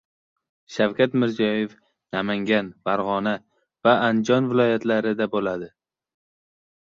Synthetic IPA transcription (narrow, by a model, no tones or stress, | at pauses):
ʃawkʲat̪mɪɾzijɒjef | namaŋɡʲanfaɾʁɒna | vaːnd͡ʒɒnvɪlˠɒjat̪ʰlaɾɪd̪abolad̪ɪ